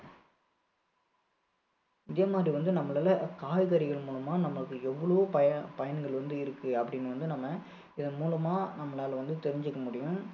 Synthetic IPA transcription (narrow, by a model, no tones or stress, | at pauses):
ɪðeːmaːd̪ɾiʋɐnd̪ɯnɐmːɐɭaːlɐkaːjɣɐɾɪɣɐɭmuːɭɐmaːnɐmːɐɭɯkːɯɛʋːɐɭʋoːpɐpɐjɐnɡɐɭʋɐnd̪ɯɪɾɯkːɯɐpːɐɽɪnːɯʋɐnd̪ɯnɐmːɐ | ɪðɐmuːɭɐmaːnɐmːɐlaːlʋɐnd̪ɯt̪ɛɾɪɲd͡ʒɯkːɐmʊɽɪjʊ̃